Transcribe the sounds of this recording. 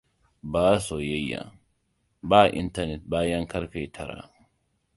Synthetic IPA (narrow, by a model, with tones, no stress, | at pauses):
baː˦so˨jɛ˦jːa̰˨ | baː˦ʔɪ̰˦nt̪ɐ˦ɾnɛ˨t̪̚baː˦ja˦ŋkɐ˦ɾfeː˨t̪ʰɐ˨ɾa̰˨